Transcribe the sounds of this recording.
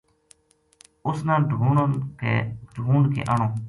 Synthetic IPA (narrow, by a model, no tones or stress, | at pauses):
ʊsnãːɖʱuːɳokḛːɖʱuːɳkḛːʔəːɳõː